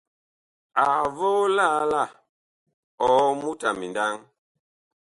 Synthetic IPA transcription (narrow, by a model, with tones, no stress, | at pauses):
a˨vo˦la˦la˦˨ | ɔ˨˦mu˦ta˨mi˨nda˦ŋ